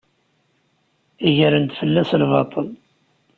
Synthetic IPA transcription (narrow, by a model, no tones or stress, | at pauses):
iʝəɾənt̪fəlːæslvɑt̪ˤəl